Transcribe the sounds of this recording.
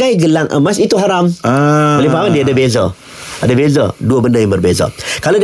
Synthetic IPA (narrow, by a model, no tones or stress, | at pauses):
ajɡəlaŋʔə̰masit̪uɦaɾamaəlipawandiadəbezə | ʔadəbezəduəbəndəjaŋmbərbezə̰kalod